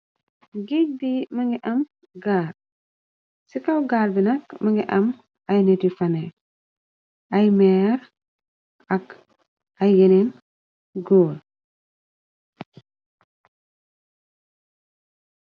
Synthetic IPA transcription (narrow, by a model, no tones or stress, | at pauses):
ɡik̚dimɐŋɡiʔɐm | ɡaːɾ | sikawɡaːɾbinɐkmɐŋɡiʔɐm | ɐjnetifɐnɛ | ɐjmɛːɾ | ɐk | ɐjːenen | ɡoːl